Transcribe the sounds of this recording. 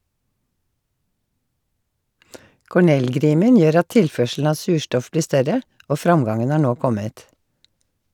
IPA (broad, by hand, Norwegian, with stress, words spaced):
kɔˈɳɛlˌɡɾiːmən ˈjøːɾ ˈɑt ˈtɪlˌfœʃl̩n̩ ˈɑː ˈsʉːˌʃtɔf ˈbliː ˈstœɾə ˈʔoː ˈfɾɑŋˌɡɑŋən ˈhɑː ˈɳoː ˈkɔmət